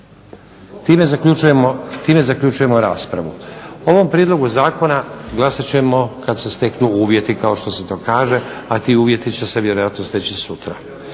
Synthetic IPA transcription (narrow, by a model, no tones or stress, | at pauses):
t̪iːmezakuujemot̪iːme̞zakʎut͡ʃuje̞mo̞ɾaːspɾa̰ʋuo̞ʋo̞mpɾiːd̪lˠo̞ɡuzaːko̞naɡlˠasat͡ɕe̞mo̞kad̪se̞st̪e̞knuuːʋje̞t̪ikao̞ʃt̪o̞set̪o̞ːkaːʒe̞ | at̪iuːʋje̞t̪it͡ɕe̞se̞ʋje̞ɾo̞jat̪nost̪et͡ɕisut̪ɾa